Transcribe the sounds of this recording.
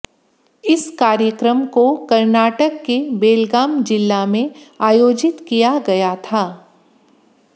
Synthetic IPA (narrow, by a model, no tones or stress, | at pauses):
ɪskaːɾjəkɾəmkokɐɾnaːʈəkːebeːlɡaːmd͡ʒɪlːamẽaːjoːd͡ʒɪt̪kijaɡɐjat̪ʰaː